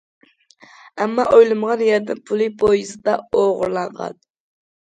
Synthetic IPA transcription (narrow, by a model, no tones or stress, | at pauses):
æmːɑʔojlˠɨmʁɑnjɛɾd̪ɪnpʰʊlˠɨpʰojɨsɨd̪ɑoʁʊɾlˠɑɴʁɑ̰n